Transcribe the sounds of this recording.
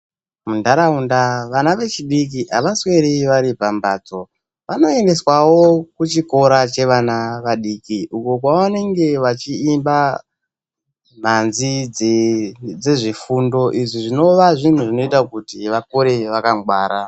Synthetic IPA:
mundaɾaundaʋanaʋe̞t͡ʃiɗik̬iʔaʋaswe̞ɾiʋaɾipambaːd͡zo̞ | ʋano̞e̞nde̞swawo̞kut͡ʃiko̞ɾat͡ʃe̞ʋanaʋaɗiːkiukok̬wawane̞ŋɡe̞ʋat͡ʃiːmba | m̤anzi | d͡zeʐifundo̞ʔiʐiʐino̞ʋaʐin̤uʐino̞itakutiʋakoɾe̞ʋakaŋɡwaːɾa

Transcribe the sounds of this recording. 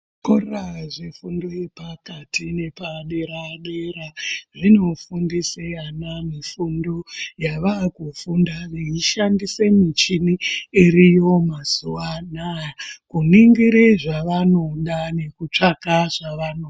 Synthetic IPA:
koaʐefundo̞je̞pakatʰine̞paɗe̞ɾaɗeraʐino̞fundiseanamifundo̞jaʋakufundaʋeiʃandise̞mit͡ʃiniiɾijo̞mazuwanajakuniŋɡiɾeʐaʋano̞ɗane̞kut͡ʂakaʐaʋanoː

